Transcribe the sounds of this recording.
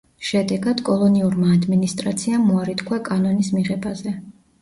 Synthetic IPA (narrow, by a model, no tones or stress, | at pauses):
ʃɛd̪ɛɡad̪̥kʼɔlˠɔniuɾmaːd̪minist̪ʼɾat̪sʰiamːuaɾit̪ʰkʰwakʼanɔnismiʁɛbazɛ